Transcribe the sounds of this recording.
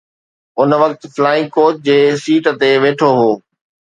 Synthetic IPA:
ʊnʋɐkt̪flaːɪ̃ŋɡkoːt̪̚d͡ʑeːsiːʈt̪eʋeːʈʰoɦoː

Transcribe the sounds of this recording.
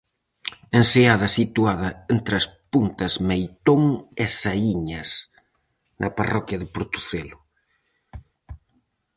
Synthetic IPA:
enseaðɐsit̪uaðɐent̪ɾɐspunt̪ɐzmejt̪oŋesaiɲɐs | nʔɐparɔkjɐðɪpoɾt̪u̥θelʊ

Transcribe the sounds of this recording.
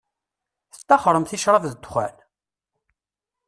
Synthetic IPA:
θə̥t̪ːɑχəɾˤəmθiʃɾˤɑvðəd̪xʷæ̰l

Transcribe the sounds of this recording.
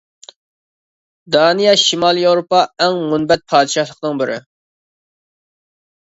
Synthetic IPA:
d̪ɑːnijɑʃimɑːlˠijewɾopɑɛŋːunbɛt̪̚pʰɑːd̪ɨʃɑhlˠəqnɨŋbɪɾɪ̰

